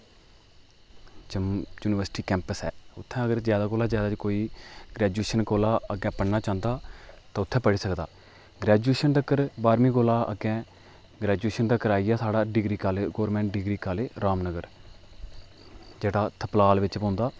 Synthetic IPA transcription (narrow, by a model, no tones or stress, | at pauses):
d͡ʒəmjuːnɪʋəɾsʈiːkɛ̃ːmpəsɛ̰ːʊt̪ʰːɛ̃ːəɡəɾzjaːd̪aːkoːlaːzjaːd̪aːd͡ʒkoːiːɡɾɛːd͡ʒueːʃənkoːlaːəɡɛ̃ːpəɽnaːt͡ʃãːnd̪aːt̪ãːʊt̪ʰːɛ̃ːpəɽiːsəkd̪a̰ː | ɡɾɛːd͡ʒueːʃənt̪əkːəɾbaːɾmĩːkoːlaːə̰ɡɛ̃ː | ɡɾɛːd͡ʒueːʃənəkːəɾaːijaːsaːɽaːɖɪɡɾiːkaːleːɡoːɾmɛ̃ːɳʈɖɪɡɾiːkaːleːɾaːmnəɡəɾ | d͡ʒeːɽaːt̪ʰəplaːlʋɪt͡ʃpõːnd̪aː